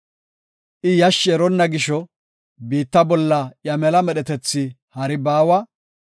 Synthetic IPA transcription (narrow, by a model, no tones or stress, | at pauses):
ʔɪjɐʃːɛɾɔnːɐɡɪʃɔ | biːt̪ːɐbɔlːɐjɐmɛlɐmɛɗɛt̪ɛt͡sːɪ | hɐɾɪbaːwɐ